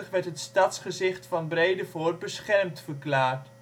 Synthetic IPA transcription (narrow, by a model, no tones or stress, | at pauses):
əχʋɛɹtɦətstɑtsχəzɪχtfɑnbrejdəvoːr̚bəsχɛrmtfəɹklaːrt